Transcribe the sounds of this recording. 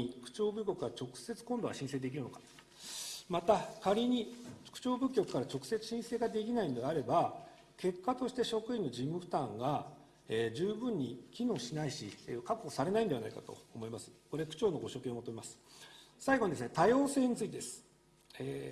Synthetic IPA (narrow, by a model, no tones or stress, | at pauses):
kɯ̟̥t͡ɕo̞ːbɯ̟k̬ʲo̞kɯ̟̥kːaɾat͡ɕo̞kɯ̟̥se̞t͡sɨ̥kõ̞nd̪o̞aɕĩse̞ːd̪e̞k̬ʲiɾɯ̟no̞kḁ | mat̪akaɾʲiɲ̟ikɯ̟̥t͡ɕo̞ːbɯ̟kʲːo̞kɯ̥kːaɾat͡ɕo̞kɯ̥se̞t͡sɨ̥ɕĩse̞ːɡad̪e̞kʲinaino̞d̪e̞aɾe̞ba | ke̞kːat̪o̞ɕi̥t̪e̞ɕo̞kɯ̟ĩnːo̞d͡ʑimːɯ̟ɸɯ̟̥t̪ãŋɡa | ed͡ʑɨːbɯ̟̃ɲ̟ːikʲino̞ːɕinaiɕikakːosaɾe̞naĩnd̪e̞anaikat̪o̞̰ːmo̞imasɨ̥ko̞ɾe̞kɯ̟̥t͡ɕo̞ːno̞ɡo̞ɕo̞ːkẽomot̪oimasɨ̥saiɡoɲid̪esɨnet̪ajo̞ːse̞ːɲ̟it͡sɨit̪ed̪esɨ̥ | e